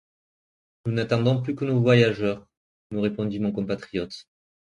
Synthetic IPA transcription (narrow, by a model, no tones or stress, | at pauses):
nunat̪ɑ̃d̪ɔ̃plykənovwajaʒœʁ | məʁepɔ̃d̪imɔ̃kɔ̃pat̪χijɔt̪